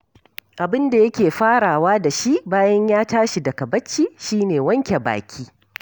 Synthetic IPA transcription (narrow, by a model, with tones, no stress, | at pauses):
ʔa˨bɪ˦nda˨jɐ˦kʲeː˨ɸaː˦ɽaː˨waː˦da˨ʃi˦ʔbaː˦jɐ˦ɲjaː˦taː˦ʃi˨dɐ˨kɐ˨bɐ˦t͡ʃːiː˦ʃiː˦neː˨wɐ˦ŋkʲe˨ba̰ː˨kʲʰiː˦